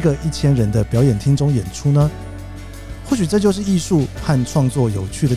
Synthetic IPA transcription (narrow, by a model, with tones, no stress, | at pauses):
ɡə˨i˥˩t͡ɕʰjɛ˥nɻə˧˥nd̪ə˧pjɑ˧˥ʊjɛ˨˩nt̪ʰi˥ŋʈ͡ʂʊ˥ŋjɛ˨˩nʈ͡ʂʰu˥nə˨ | xwɔ˥˩ɕy˨˩ʈ͡ʂɤ˥˧t͡ɕjo˥˧ʊʂ̬ɻ̩˥˧˩i˥˧ʂu˥˧xa˥˧nʈ͡ʂʰwɑ˥˧ŋt͡swɔ˥˩jo˨˩ʊt͡ɕʰy˥˩d̪ə˩